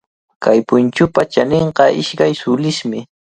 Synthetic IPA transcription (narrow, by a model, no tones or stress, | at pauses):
kʰajpʊnt͡ʃʊpat͡ʃaneɴqɑʔɪʃkajsʊlɪʃmɪ